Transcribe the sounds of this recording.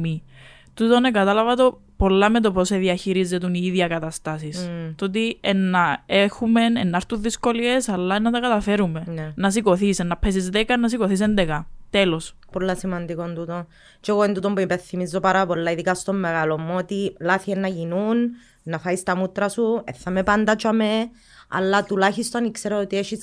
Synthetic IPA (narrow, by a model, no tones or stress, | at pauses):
mi | t̪ut̪o̞nekɐt̪ɐlɐvɐt̪o̞ | po̞lːɐmet̪̬o̞poseðiɐçiɾizːet̪uniiðjɐkɐt̪ɐst̪ɐsist̪ot̪̬ienːɐexumenḛnːɐɾt̪unðisko̞lie̞sɐlːɐnːɐt̪ɐkɐt̪ɐfe̞ɾume̞nenɐs̬iko̞θisenːɐpʰːesizðekɐnːɐs̬iko̞θis̬end̪ekɐt̪elos | polːɐsimɐnd̪ikond̪ut̪on | t͡ʃeɣoenut̪ompuipeθimizːo̞paɾɐpo̞lːɐiðikɐst̪o̞mːeɣɐlomːot̪ilaθienːɐʝinun | nɐfɐist̪ɐmut̪ɾɐsueθːɐmepand̪ɐt͡ʃame | ɐ̰lːɐt̪ulaçist̪onikseɾoot̪ieʃis